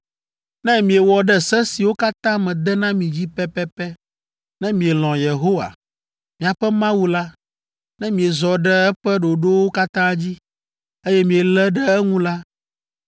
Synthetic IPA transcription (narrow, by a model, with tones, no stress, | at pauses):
nɛ̃˦mĩ˨e˨wɔ˨ɖɛ˦sɛ˦si˨wo˦ka˦t̪ã˦mɛ̃˨d̪ɛ˦nã˦mĩ˨d͡ʑi˦pɛ˦pɛ˦pɛ˦ | nɛ̃˦mĩ˨e˨lɔ̃˨je˨ɦo˦wa̰˨ | mĩ˨a˨ɸɛ˦mã˦wu˦la˦ | nɛ̃˦mĩ˨e˨zɔ˨ɖɛ˦ɛ˦ɸɛ˦ɖo˨ɖo˦wo˦ka˦t̪ã˦d͡ʑi˦ | e˦jɛ˦mĩ˨ɛ˨lɛ˦ɖɛ˦ɛ˦ŋũ˦la˦